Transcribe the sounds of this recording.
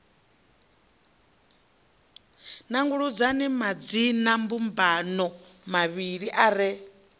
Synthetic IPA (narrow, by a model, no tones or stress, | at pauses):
naŋɡuɺud͡zanimad͡zinambumbanɔ | maβiɺiʔaɾɛ